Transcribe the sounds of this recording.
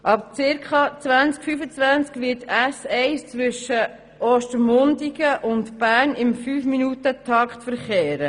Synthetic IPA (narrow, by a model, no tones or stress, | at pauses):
ʔɑp̚t͡sɪɾkχɑt͡svænt͡skfyfət͡svænt͡skʋɪtæsɛɪst͡sʋʏʃə | ʔɔːʃtəmʊndiɡəʔʊntbæːɾnɪmfyːfminutətʰɑktfəɾχeːɾə